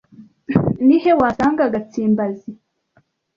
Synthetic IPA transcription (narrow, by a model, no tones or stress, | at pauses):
nihewaːsaːŋɡaɡat͡siːmbazi